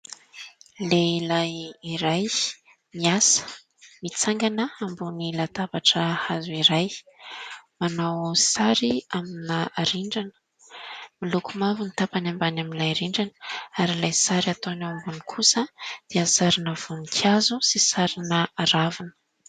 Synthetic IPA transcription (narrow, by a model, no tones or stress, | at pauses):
leilajiɾaj | miasə̥ | mit͡saŋɡanəambunilat̪abaʈ͡ʂəhazuiɾaj | manawsaɾiaminaɾiɳɖ͡ʐanə̥ | milukumavunit̪apanambanaminlajɾiɳɖ͡ʐanə̥aɾilajsaɾat̪oanawambunikʰusəd̪̥easaɾinəv̥unikʰjazusisaɾinəaɾavinə̥